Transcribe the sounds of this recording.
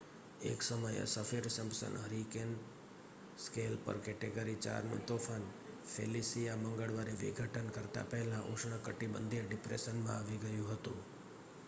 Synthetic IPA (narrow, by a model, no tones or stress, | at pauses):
ḛksəməj̰səfeɾsəmsə̰nɦəɾiken | skelpə̰ɾkɛʈeɡəɾit͡ʃa̰ɾnṵ̃t̪ofʰan | fʰḛlisijaməŋɡəɭʋaɾeʋḭɡʱəʈʰənkəɾt̪a̰pɛɦlãʔṵ̃ʃɳ̃əkəʈibə̰nd̪ʱiɖɪpɾḛsənmã̰aʋiɡəjũɦət̪ṵ̃